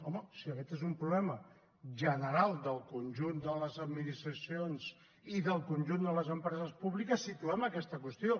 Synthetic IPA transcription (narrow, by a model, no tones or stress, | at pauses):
ɔməsiəkɛt̪ezumpɾuβlɛmə | ʒənəɾalˠd̪əlˠkunʲʒund̪ələzəd̪minist̪ɾəsionz̥ | iðəlˠkunʲʒund̪ələzəmpɾɛzəspuβlikəsːit̪uɛməkɛst̪əkwəst̪io